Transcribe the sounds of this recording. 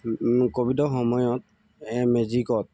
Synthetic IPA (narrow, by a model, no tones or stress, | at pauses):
kobidɔxɔmɔjɔt̚ | ɛmezikɔt̚